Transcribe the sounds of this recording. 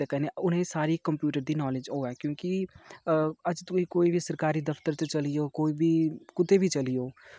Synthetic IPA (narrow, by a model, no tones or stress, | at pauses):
ekɛneʊnɦẽsaːɾikɐ̃mpjuːʈəɾd̪inɔːled͡ʒɦoːɦɛːkjõːki | ɐd͡ʒt̪oikoːibʱisɐɾkaːɾid̪ɐft̪əɾt͡ʃet͡ʃɐlijokoːibʱikʊt̪ebʱit͡ʃɐlijoː